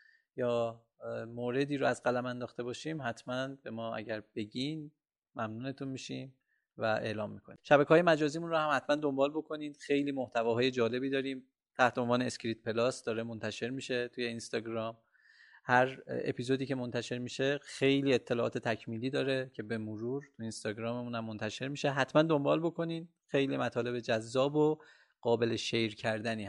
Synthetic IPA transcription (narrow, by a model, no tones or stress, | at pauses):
jɒː | moːɾe̞d̪iːɾoæzɡælæmænd̪ɒːxt̪e̞bɒːʃiːmhæt̪ʰmænbe̞mɒːæ̰ɟæɾb̥e̞ɟin | mæmnuːne̞t̪ʰunmiːʃḭːm | væʔe̞̰ːlɒːmːikʰonḭʃæbækʰeɒːje̞mæd͡ʒɒːziːmunɾohæmhæt̪ʰmænd̪o̞mbɒːlbo̞kʰo̞niːd̪xe̞jliːmoht̪ʰævɒːɦɒːje̞d͡ʒɒːle̞biːd̪ɒːɾiːm | t̪ʰæht̪eonvɒːne̞ːskɾiːt̪̚pʰe̞lɒːsd̪ɒːɾe̞mont̪ʰæʃe̞ɾmiːʃe̞t̪ʰuje̞inst̪ɒːɡɾɒːm | hæɾḛpʰiːzo̞d̪iːcʰe̞mo̞nt̪ʰæʃe̞ɾmiːʃexe̞jliːet̪ʰːelɒːɒ̰ːt̪ʰet̪ʰæcʰmiːliːd̪ɒːɾe̞cʰe̞be̞moɾuːɾt̪ʰuinst̪ɒːɡɾɒːmemuːnæmːont̪ʰæʃe̞ɾmiːʃe̞ɦæt̪ʰmænd̪o̞mbɒːlbo̞kʰo̞niːn | xe̞jliːmæt̪ʰɒːle̞be̞d͡ʒæzːɒːbo | ɢ̥ɒːbe̞leʃejɾcʰæɾd̪æniː